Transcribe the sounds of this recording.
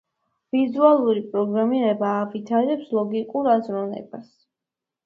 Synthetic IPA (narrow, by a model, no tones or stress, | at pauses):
vizualˠuɾipʼɾɔɡɾamiɾɛbaːvit̪ʰaɾɛpslˠɔɡikʼuɾazɾɔnɛ̰bas